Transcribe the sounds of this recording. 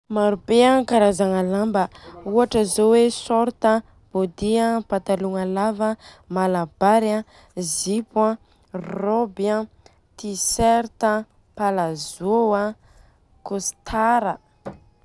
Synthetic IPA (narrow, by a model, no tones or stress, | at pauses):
maɾubeakaɾazaŋalambəuaʈ͡ʂəzowesɔɾt̪ə | b̥od̪iãpat̪aluŋalavə | malab̥aɾã | zipwã | robja | t̪isɛɾt̪ə | palazowa | kost̪ʰaɾə